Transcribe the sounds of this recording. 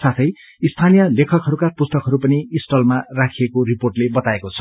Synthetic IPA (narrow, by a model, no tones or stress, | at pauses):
sat̪ʰʌj | ist̪ʰanijʌlekʰʌkɦʌɾukapust̪ʌkɦʌɾupʌniisʈʌlmarakʰiekoriporʈlebʌt̪aekot͡sʰʌ̥